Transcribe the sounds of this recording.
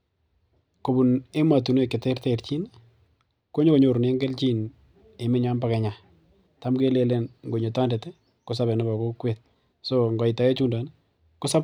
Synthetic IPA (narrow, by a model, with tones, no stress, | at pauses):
ko˨bu˨ne˦ma˨tu˨n˦e˨kɪ˨tɛ˦rtɛ˦ɾt͡ʃi˦n | ko˦ɲo˦ko˨ɲo˨ɾne˦ŋɡɛ˦lt͡ʃi˦n | e˨mɪ˦ɲa˦mba˦kɛ˨ɲa˨ | ta˨˦mɡe˦le˦le˦nŋɡo˨ɲo˨ta˦ndɛ˨tɛ˦ | ko˦sa˦bɛ˨nɪ˦ba˨ko˦kwet̚ | soŋɡɔ˨i˨ta˨ɛ˦t͡ʃu˦nda˨n | ko˦sa˦p